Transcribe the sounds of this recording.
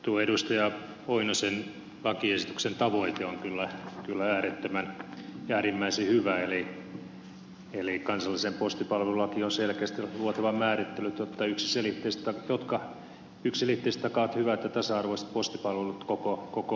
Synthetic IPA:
t̪uoeɾust̪ɑjɑ | oinosen | lɑkiesit̪yksent̪ɑʋoit̪eoŋkylːækylːææːret̪ːæmænæːɾimːæisehyʋæeli | elikɑnsɑlːisempost̪ipɑlʋĕlulɑkionselkeæst̪iluot̪ɑʋɑmmæːrit̪ːelːyt̪jot̪ːɑyksi̥selit̪ːeist̪ɑjot̪kɑ | yksselit̪ːeist̪ːɑkɑt̪hyʋæt̪jɑt̪ɑsɑɑrʋoist̪̚post̪ipɑlʋelut̪kokokoko

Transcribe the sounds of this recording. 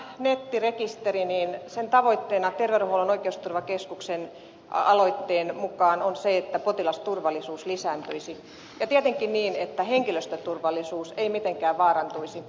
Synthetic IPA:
net̪ːirekist̪eriniːnsent̪ɑʋoit̪ːeːnɑt̪erʋeruhoulonoikeust̪urʋɑkeskuksen | ɑloit̪ːeːnmukɑːnonseet̪ːæpot̪ilɑst̪urʋɑlːˑisuːslisæːnt̪øisi | jɑt̪iæt̪eŋkinniːnet̪ːæheŋkiløst̪øt̪urʋɑlːˑisuːseimit̪eŋkæːʋʋɑːrɑnt̪uisi

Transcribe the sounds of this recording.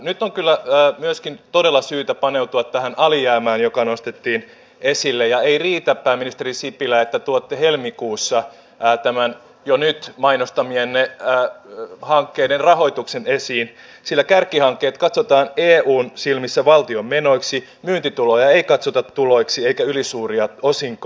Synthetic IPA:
nyt̪ːoŋkylːæːmyøskint̪odelːɑsyːt̪æpɑneut̪uɑt̪tæhænɑlijæːmæːnjokɑnost̪et̪ːiːn | esilːejɑeiriːt̪æppæːmːinist̪erisipilæet̪ːæt̪uot̪ːehelmikuːsːɑː | t̪æmæn | jonyt̪mɑinost̪ɑmienːeː | hɑŋkːeidenrɑho̞it̪uksenesiːn | silːækærkːˑihɑŋkːeːt̪kɑt̪sot̪ɑːneːuːnsilmisːæʋɑlt̪iommenoiksi | myːnt̪it̪ulojɑeikɑt̪sot̪ɑt̪tuloiksieikæylisuːriɑosiŋk

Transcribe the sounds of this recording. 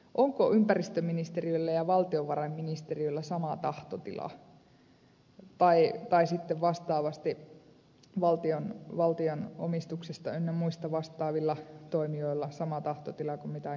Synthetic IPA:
ʔoŋkoʔympærist̪øminist̪erioilːæjɑʋɑlt̪ioʋʋɑrɑimminist̪erioilːɑsɑmɑt̪ɑht̪ot̪ḭlɑ̰ | t̪ɑit̪ɑisit̪ːeʋʋɑst̪ɑːʋɑst̪i | ʋɑlt̪ionʋɑlt̪iono̰mist̪uksest̪ɑennemuist̪ɑʋɑst̪ˑɑːʋilːɑt̪oimioilːɑsɑmɑt̪ɑht̪ot̪ilɑkumit̪æ

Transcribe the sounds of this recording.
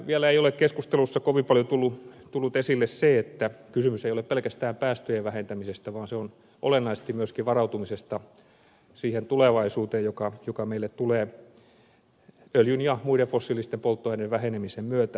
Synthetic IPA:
ʋiælæeiolekkeskust̪elusːɑkoʋimpɑljot̪ulːut̪ulːut̪esilːesseet̪ːækysymyseijolepelkæst̪æːmpæːst̪øjeʋʋæhent̪æmisest̪æʋɑːnseon | ʔo̰lenːɑise̥st̪imyøskiʋɑrɑut̪umisest̪ɑ | siːhent̪uleʋɑisuːt̪eːjokɑjokɑmeilːet̪t̪uleː | øljynjɑmuiɾefosːiːlist̪empolt̪ːoɑineʋʋæhenemisemmyøt̪æ

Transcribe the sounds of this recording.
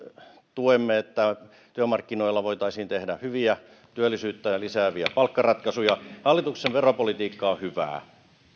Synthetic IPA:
t̪uemːeet̪ːæ | t̪yømɑrkːinoilːɑʋoit̪ɑisiːnt̪ehdæhyʋiæ | t̪yølːˑisyːt̪ːæjɑlisæːʋiæ̰pɑlkːɑrɑt̪kɑsujɑhɑlːit̪ukseʋʋeropolit̪iːkːɑːhyʋæ̰ː

